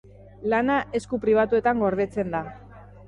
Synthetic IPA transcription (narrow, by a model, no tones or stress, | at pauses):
lanaʔe̞skupɾiβ̞at̪ue̞t̪aŋɡo̞ɾðe̞t͡se̞nd̪a